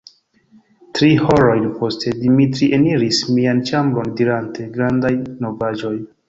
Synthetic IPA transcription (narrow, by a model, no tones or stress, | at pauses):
tɾiho̞ɾo̞jnpo̞stʰe̞dimitɾiʔeniɾismiant͡ʃambɾo̞ndiɾante̞ɡɾandajno̞vad͡ʒo̞j